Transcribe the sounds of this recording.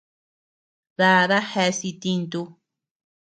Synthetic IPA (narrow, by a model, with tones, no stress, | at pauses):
ða˧ða˦he˧si˧t̪i˧nt̪u˧